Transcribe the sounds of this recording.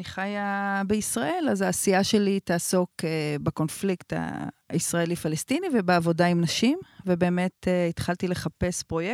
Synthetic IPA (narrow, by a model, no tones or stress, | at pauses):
niχajabeisʁaʔe̞lazaːsiaʃe̞litaːso̞kebeko̞nflikta̰isʁaelifalestinivebeavo̞daimnaʃimvebe̞ːme̞teit̪χaltile̞χape̞spʁo̞je